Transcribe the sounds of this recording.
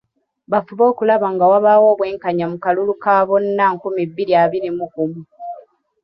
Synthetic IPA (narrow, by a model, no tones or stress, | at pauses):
βafuβo̞ːkulaβaŋɡawaβawo̞ːβwe̞ːŋkaɲamukalulukaːβonːaːŋkumibːiliaβiɾimukumu